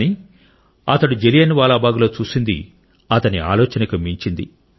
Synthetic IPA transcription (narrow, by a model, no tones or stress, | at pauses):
ni | ɐt̪ɐɽud͡ʒelijɐniʋaːlaːbaːɡulo̞ːt͡ʃuːsind̪ḭ | ɐt̪ɐnia̰ːloːt͡ʃɐnɐkɐmiɲt͡ʃind̪ḭ